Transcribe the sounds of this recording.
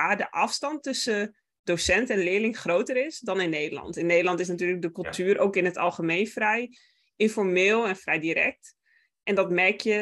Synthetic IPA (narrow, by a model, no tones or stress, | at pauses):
adəʔɑfstɑntːɵsə | dowsɛntɛnlɪːlɪŋχrowtərɪsdɑnɪnːejdəlɑ̰ntɪnːejdəlɑntɪsnatyːlək̚dəkɵlˠtyːɾʔowkɪnɦətɑ̰lˠχəmejnfrɛj | ɪnfɔɹmɪːlˠɛnfrɛjdiɾɛ̰k̚t | ʔɛndɑtmɛɹkjə